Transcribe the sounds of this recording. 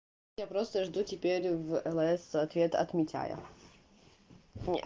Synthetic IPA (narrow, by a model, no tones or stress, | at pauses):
japɾost̪əʐd̪utʲɪpʲeɾʲvɛlˠɛsɐt̪vʲe̞t̪ɐ̰t̪mʲɪtʲa̰jə̰ | nʲɪ